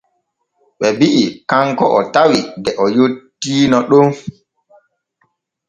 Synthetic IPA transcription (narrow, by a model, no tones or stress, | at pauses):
ɓɛbiʔikaŋkɔʔɔtawidɛʔɔjotːiːnɔɗom